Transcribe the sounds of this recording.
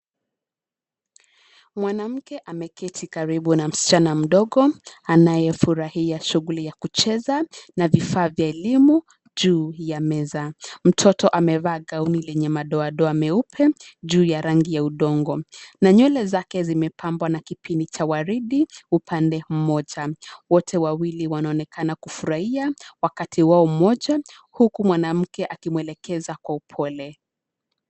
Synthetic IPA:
mwanam̩kɛʔamɛkɛtʰikaɾiɓunam̩si̥t͡ʃanam̩ɗɔɠɔanajɛfuɾahiaʃuɣulijakut͡ʃɛzanavifaːvjaɛlimu | ʄuːjamɛzam̩tʰɔtɔʔamɛvaːɠaunilɛɲɛmaɗɔaɗɔamɛupʰɛʄuːjaɾaŋɡijauɗɔŋɡɔnaɲɔlɛzakɛzimɛpʰambwanakipindit͡ʃawaɾiɗiupʰandɛm̩mɔʄawɔtʰɛwawiliwanaɔnɛkanakufuɾahiawakatʰiwaɔm̩mɔʄa | hukumwanam̩kɛʔakimwɛlɛkɛzakwaupʰɔlɛ

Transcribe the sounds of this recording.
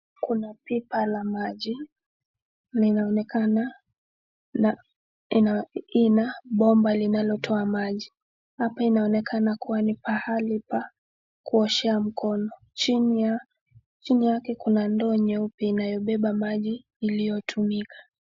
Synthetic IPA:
kunapipalamaʄi | linanɛkana | na | nainaɓɔmbalinalɔtʰɔamaʄi | hapainaɔnɛkʰanakuwanipahalipa | kuɔʃɛam̩kʰɔnɔ | t͡ʃinia | t͡ʃinijakɛkunandɔɲɛupiinajɔɓɛɓamaʄiː | lijɔtʰumikʰḁ

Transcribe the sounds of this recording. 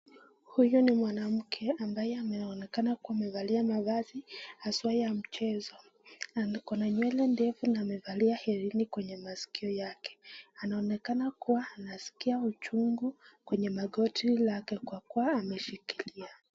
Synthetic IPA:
hujunimwanam̩kʰɛambajɛamɛɔnɛkanakuaːmɛvaliamavazihaswaijam̩t͡ʃɛzɔ | alikɔnaɲwɛlɛndɛvunaːmɛvaliahɛɾinikwɛɲɛmasi̥kiɔjakɛ̥anaɔnɛkanakuwaːnasi̥kiaut͡ʃuŋɡukwɛɲɛmaɠɔtʰilakɛkwakuwaːmɛʃikilia

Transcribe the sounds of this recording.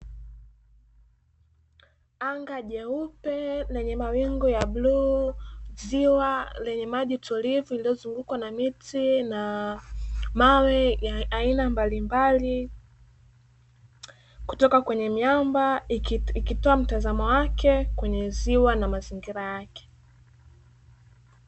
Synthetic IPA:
aŋɡaʄɛupɛlɛɲɛmawiŋɡɔjaɓluː | ziwalɛɲɛmaʄitʰɔlivuilijɔzuŋɡukwanamitina | mawɛjaainambalimbali | ku̥tɔkakwɛɲɛmjambaikitɔam̩tazamɔwakʰɛkwɛɲɛziwanamaziŋɡiɾajakɛ̥

